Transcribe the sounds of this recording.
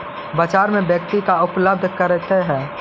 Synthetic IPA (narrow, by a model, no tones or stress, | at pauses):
bət͡ʃaːɾmẽbjəkt̪ikaʊpləb̚d̪ʱkəɾet̪eɦɛ̃ː